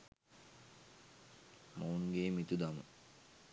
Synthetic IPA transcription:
maunɡeːmit̪ud̪amə̰

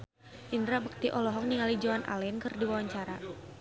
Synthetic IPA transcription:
ʔindɾabək̚t̪iʔɔlɔɦɔk̚niŋalid͡ʒawanʔa̰lɛnkɨrdiwawaɲt͡ʃaɾa

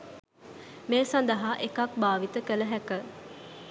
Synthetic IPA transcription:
meːsand̪əɦaʔekak̚baːʋit̪əkələɦækə

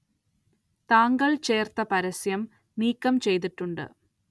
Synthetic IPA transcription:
t̪aːŋɡɐɭt͡ɕe̞ːrt̪ɐpɐɾɐsjɐm | niːkːɐmt͡ɕe̞jt̪̬iʈːuɳɖɨ̰

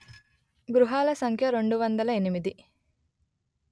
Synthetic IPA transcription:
ɡɾuɦaːlɐsɐŋkʰjɐɾe̞ɳɖuʋɐnd̪ɐlɐenimid̪i

